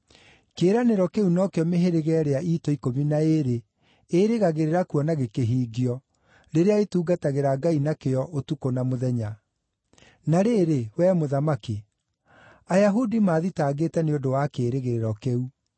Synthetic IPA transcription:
keːɾaneɾɔkeunɔkeɔmeɦeɾeɣɛɾeaʔiːtɔikominaeɾe | eɾeɣaɣeɾeɾakuɔnaɣekeɦiːɡiɔ | ɾeɾeaetuːɡataɣeɾaɡainakeɔʔotukonamoðɛɲa | naɾeːɾewɛːmoðamaki | ajaɦudimaːðitaːɡetɛneodowakeːɾeɣeɾeɾɔkeu

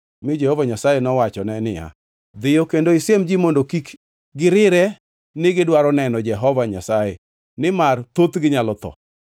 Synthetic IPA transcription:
mɪd͡ʒɛhovaɲasajɛnɔwat͡ʃɔnɛnɪja̰ | d̪ɪjokendoɪsemd͡ʒimondokik | ɡɪɾɪɾɛ | nɪɡɪdwaɾɔnɛnɔd͡ʒɛɦɔvaɲasaɛ | nɪmart̪ot̪ɡɪɲalɔt̪ɔ̰

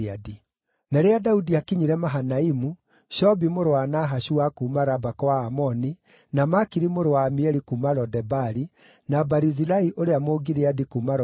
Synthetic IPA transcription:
adi | naɾeadaudiakiɲiɾɛmaɦanaimu | ʃɔbimoɾowanaɦaɕuwakumaɾabakɔwaːmɔni | namakiɾimoɾowamiɛɾikumaɾɔdɛbaɾi | nabaɾizilaiʔoɾeamoɡiɾeadikumaɾ

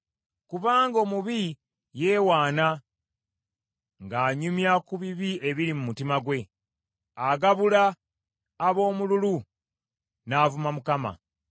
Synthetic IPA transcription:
kuβaːŋɡo̞ːmuβi | jeːwaːna | ŋɡaːɲumjakuβiβie̞βiɾimumutimaɡwe̞ | aɡaβulaː | βo̞ːmululu | naːvumamukama̰

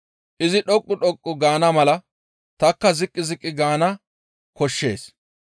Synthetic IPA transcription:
ʔɪzɪɗɔkʼːʊɗɔkʼːʊɡaːnɐmɐlɐ | t̪ɐkːɐzɪkʼːɪzɪkʼːɪɡaːnɐ | kɔʃːe̞ːs

